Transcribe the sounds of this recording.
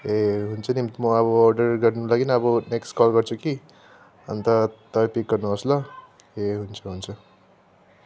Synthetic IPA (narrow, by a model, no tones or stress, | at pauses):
eɦunt͡sʰʌnimmʌʌbʌːrɖʌrɡʌrnulaɡinʌbʌneksʈkɔlɡʌrt͡sʰuki | ʌ̰nt̪ʌt̪ʌbʌpik̚ɡʌrnuʌslʌ | eɦunt͡sʰʌɦunt͡sʰʌ